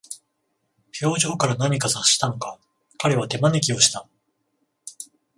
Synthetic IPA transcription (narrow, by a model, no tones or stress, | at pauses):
ɸʲo̞ːʑo̞ːkaɾanaɲ̟ikasaɕːi̥t̪ano̞ka | kaɾe̞β̞at̪e̞mane̞k̬ʲio̞ɕi̥t̪a